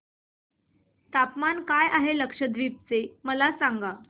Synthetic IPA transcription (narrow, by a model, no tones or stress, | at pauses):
t̪apmankajaɦeləkʂəd̪ʱʋiːp̚t͡seməlasaŋɡa